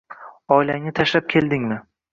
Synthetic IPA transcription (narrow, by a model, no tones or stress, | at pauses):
ɒjlaŋnɪt̪ʰaʃlap̚kʲʰe̞ld̪ɪŋmɪ